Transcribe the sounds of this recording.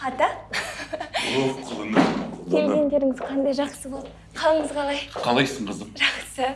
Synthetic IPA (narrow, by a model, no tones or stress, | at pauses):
ɑt̪ɑ | oqʰʊlˠənəkʲʰeld̪ʲe̞nd̪e̞ɾɪŋɪz̥qʰɑnd̪ɑjʒɑqsəbo̞lˠd̪əqʰɑlˠəɴəzqɑlˠɑjqʰɑlˠɑjsəɴqʰəzəqʒɑqsə